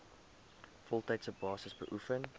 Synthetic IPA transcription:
fɔlˠtaɪtsəbɑːsəsbə̰ʔufən

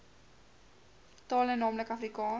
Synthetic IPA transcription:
tɑːlənɑːmləkɐfrikɑː

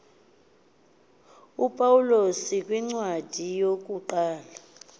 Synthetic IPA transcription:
upʼawulosikʼwiŋ͡ǀwad̥ʱijok̬ʼuǃaːla

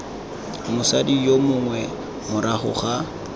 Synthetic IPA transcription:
mʊsadijomʊŋwɛ | mʊɾaχʊ̰χa

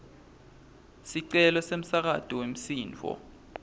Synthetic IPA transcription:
siǀɛlɔsem̩sak̬atʼɔwem̩siːnt͡fɔ̰

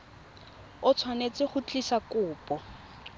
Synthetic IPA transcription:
ʊt͡sʰwanet͡sʼɪχʊt͡ɬʼisakʊːpʼɔ

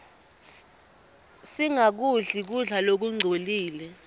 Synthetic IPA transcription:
siŋak̬uɮik̬uɮalok̬uŋ͡ǀʱoliːlɛ

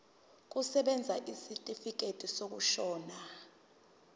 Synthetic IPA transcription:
k̬usɛɓɛnd͡zʱaʔisitʼifik̬ʼetʼisok̬uʃɔːna

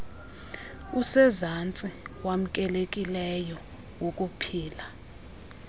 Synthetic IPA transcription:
usɛzant͡sʼiwam̩kʼɛlek̬ʼilɛjɔ | wok̬ʼupʰiːla

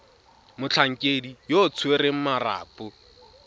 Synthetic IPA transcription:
mʊt͡ɬʰaŋ̩kʼedijot͡sʰweɾeŋ̩mara̰ːpʼʊ

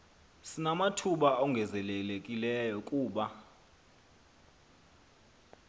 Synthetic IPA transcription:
sinamatʰuɓaɔŋɡʱɛzɛlelekʼilɛjɔkʼuːɓa

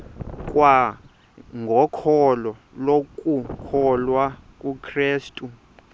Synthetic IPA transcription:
k̬ʼwa | ŋɡʱɔkʰɔlɔ | lokʼukʰɔlwakʼukʰreːstʼu

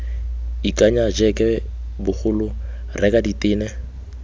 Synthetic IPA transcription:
ikʼaɲad͡ʒɛkʼɛ | bʊk͡xʊlʊ | rɛkaditʼɪːnɛ

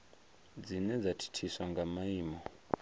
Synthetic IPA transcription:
d͡zinɛd͡zatʰi̥tʰiswaŋɡamaiːmɔ

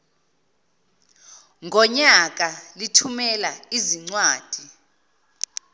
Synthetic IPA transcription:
ŋɡʱɔɲak̬ʼalitʰumɛlaiziŋ͡ǀwaːd̥ʱi

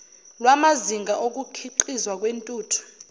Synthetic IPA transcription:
lwamaziŋɡaʔok̬ʼukʰiǃizwak̬ʼwentʼuːtʰu̥

